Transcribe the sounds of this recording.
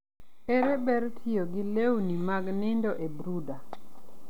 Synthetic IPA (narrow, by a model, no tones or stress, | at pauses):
eɾebɛɾtʰɪjoɡɪlewnimaɡnɪndɔʔebɾuda